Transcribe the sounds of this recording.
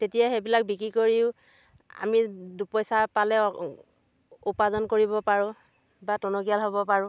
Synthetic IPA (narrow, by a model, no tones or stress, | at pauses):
tetijaxebilak̚bikɹikoɹiʊ̃ | a̰midupɔjsapalɛ | upazɔnkoɹibɔpaɹʊ̃ | batɔnɔkijalɦɔbɔpaɹʊ̃